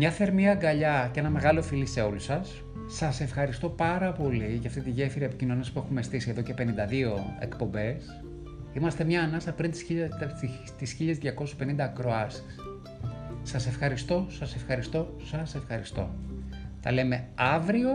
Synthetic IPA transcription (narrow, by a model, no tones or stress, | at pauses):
mɲɐθe̞ɾmiɐɡɐʎɐceenɐme̞ɣɐlo̞filise̞o̞lusɐsː | ɐse̞fxɐɾist̪o̞pɐɾɐpo̞liʝɐft̪it̪iʝe̞fiɾɐepicino̞nespue̞xumest̪isieðo̞ce̞pe̞nind̪ɐðio̞e̞̰kpo̞mbe̞s | imɐst̪e̞mɲɐːnɐsɐpɾint̪i̥si | t̪isçiʎezðʝɐko̞su̥spe̞nind̪ɐːkɾo̞ɐsi̥s | sɐse̞fxɐɾist̪o̞sɐse̞fxɐɾist̪o̞ | sɐse̞fxɐɾist̪o̞̰t̪ɐ̰le̞me̞ɐvɾio̞